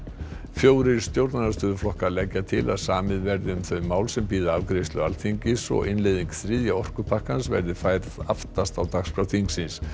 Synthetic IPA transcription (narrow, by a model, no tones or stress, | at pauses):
fjoːwɾɪɾst̪jowɾt̪nanast̪ʏːðʏflɔhkalɛcːat̪ʰɪla̰ðsaːmɪðvɛɾðɪʏmθœɥmːaːwlsɛmpiːðaavkɾejst̪lʏalθiɲcɪsɔ̰ɣɪnlejðiŋkθɾɪðjaɔr̥kʏpʰahkansvɛ̰ɾðɪfaːjɾðaft̪ast̪awt̪axspɾawθʰiŋksɪns